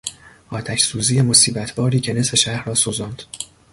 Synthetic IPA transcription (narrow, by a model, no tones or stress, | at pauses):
ʔɒːt̪ʰæʃsuːzije̞mo̞siːbæt̪ʰb̥ɒːɾiːcʰe̞ne̞se̞ʃæhɾɒːsozɒnd̪̥